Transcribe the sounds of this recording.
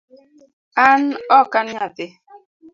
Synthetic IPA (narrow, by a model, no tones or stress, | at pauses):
an̩ɔkanatɪ